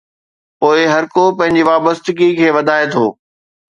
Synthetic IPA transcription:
poːɪɦɐɾkopɐ̃ɦɪ̃ɲd͡ʑiʋaːbəst̪ɪɡikʰeːʋɐd̪ʱaːet̪ʰoː

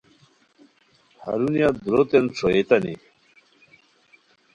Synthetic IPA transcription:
hɐ̰ɾunijad̪uɾot̪ent͡sʰoet̪ɐnḭ

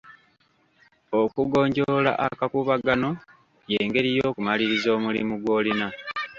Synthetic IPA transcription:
okuɡo̞ːɲɟola̰ʔakakuβaɡano̞ | je̞ːŋɡe̞ɾijo̞ːkumaliɾizo̞ːmulḭmuɡwo̞ːlina

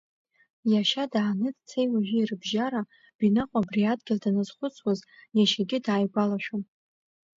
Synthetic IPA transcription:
jaʃadaːnɨdt͡sʰejwaʒɪːrɨbʒaɾa | b̥inaqʷʼabriadɡʲɪldanaz̥χʷʊt͡sʰwazjaʃaɡʲɪdaːjɡʷalaʃᶣom

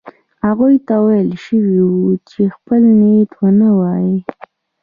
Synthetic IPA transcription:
haɣujt̪awajəlʃəwiwut͡ʃexpəlnet̪wənawɑji

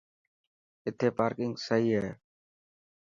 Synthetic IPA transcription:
ɪt̪ʰeːpaːɾkɪŋɡsəɦiːɦeː

